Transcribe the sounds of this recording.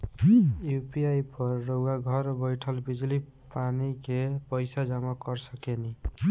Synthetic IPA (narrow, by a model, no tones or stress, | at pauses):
jupiajpɔɾːoɡaɡʱʌɾbəjʈʰəlbid͡ʒli | panikepəjsad͡ʒamakɔɾsəkeni